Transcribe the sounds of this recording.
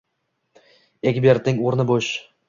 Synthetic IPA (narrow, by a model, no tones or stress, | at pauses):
eɡʲbeɾt̪ɪŋoɾnɪboʃ